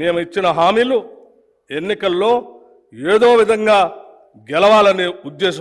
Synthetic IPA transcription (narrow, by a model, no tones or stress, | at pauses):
meːmuit͡ʃːinɐɦaːmiːlu | e̞nːikɐlːo̞ː | e̞ːd̪o̞ːʋid̪ʱɐŋɡaː | ɡɛlɐʋaːlɐniud̪ːeːʃɐ